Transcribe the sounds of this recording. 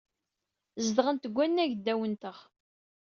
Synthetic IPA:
zd̪ʁənt̪əɡʷːænːæʝd̪ːæwənt̪əʁ

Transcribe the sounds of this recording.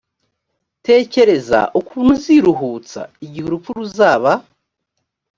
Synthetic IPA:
te̞ːce̞ɾe̞za̰ʔukuːn̥uziɾuɦuːt͡sa̰iɟihuɾufuɾuzaːβa

